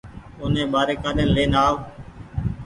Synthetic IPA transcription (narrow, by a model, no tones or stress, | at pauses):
ʊːnẽːɓaːɾeːkaːɗeːnleːnaːʋo